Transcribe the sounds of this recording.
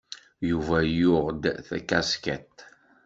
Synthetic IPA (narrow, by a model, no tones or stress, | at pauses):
juvæjʊʁd̪θækæskæt̪